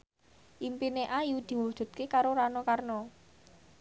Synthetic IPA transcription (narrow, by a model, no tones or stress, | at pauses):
ʔimpineʔajud̪̥i̤wud̥ʒ̥ṳt̪̚kekaɾoɾanɔkarnɔ